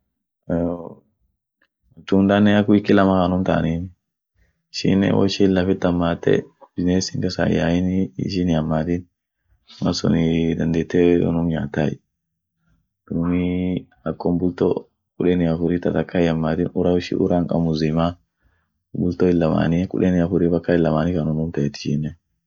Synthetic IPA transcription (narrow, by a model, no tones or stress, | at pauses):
o | t͡ʃːʊnd̪anːɛɐkːʊɪkːɪlɐmɐkanʊmt̪a̰nin | ɪʃɪ̰nɛ̰wɔ̰ʃɪɪlːɐfɪt̪ːɐmːaːt̪ːɛ̰b̥ɪzneːsɪŋkɐsa̰ja̰jɪnɪ̰ʃɪnɪɐmːaːt̪ɪn | mɐ̰sɔ̰nɪd̪ɐnd̪eːt̪ːeɔ̰nʊmɲaːt̪ːajɛ | d̪̥ʊmi | ɐkːɔmbʊlt̪ɔ̰ | kʼʊᶑɛnɪɐfʊɾiːt̪ɐt̪ɐkːɐɪɐmːaːt̪ɪnʊɾɐwʊʃɪ̰ʔʊ̰ɾaŋkʼɐ̰mʊzɪma | bʊlt̪ɔɪlːɐma̰ːnikʼʊ̰ᶑɛnɪɐfʊɾiːbɐkːɐɪlːɐmaːnɪkɐnʊmʊmt̪ɐɛt̪ːɪ̥ʃɪnːɛ